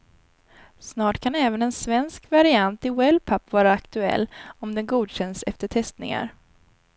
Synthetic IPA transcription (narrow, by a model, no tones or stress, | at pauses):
snɑːʈkʰanɛːvənɛnsvɛnskvaɾɪant̪ɪwɛlpʰapvɑːɾaːkt̪ɵɛ̰lːɔmd̪ɛnɡuːd̪ɕɛnd̪sɛ̰ft̪əʈʰɛst̪nɪ̰ŋa̰ɾ